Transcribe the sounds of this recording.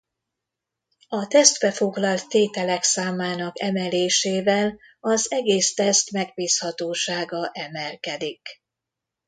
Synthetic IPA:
ɒt̪ɛst̪bɛfo̞ɡlɒlt̪ːeːt̪ɛlɛksaːmaːnɒkɛmɛleːʃeːvɛl | ɒzɛɡeːst̪ɛst̪mɛɡ̚biːshɒt̪oːʃaːɡɒʔɛmɛlkɛd̪ik

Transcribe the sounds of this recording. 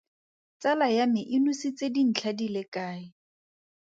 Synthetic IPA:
t͡salajamɪʔɪnusit͡sedin̩t͡ɬʰadilekaːɪ

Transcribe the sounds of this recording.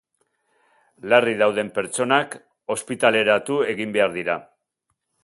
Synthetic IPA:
lariðawðe̞mpe̞ɾt͡so̞nak | o̞spit̪ale̞ɾat̪ue̞ɣimbe̞aɾðiɾa

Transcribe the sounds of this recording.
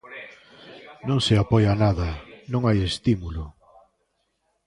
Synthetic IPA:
nõŋsɪapɔjanaðɐnõŋajest̪imulʊ

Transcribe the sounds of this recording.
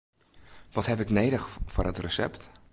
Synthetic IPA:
ʋɔtɦɛpɪknejdəxfʊːrətrəsɛ̰pt

